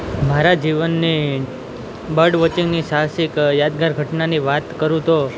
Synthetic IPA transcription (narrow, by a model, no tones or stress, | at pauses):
maɾad͡ʒiʋənːi | bəɾɖʋət͡ʃĩŋɡniʃaɦsikjad̪ɡaɾɡʱəʈnaniʋat̪kəɾũt̪o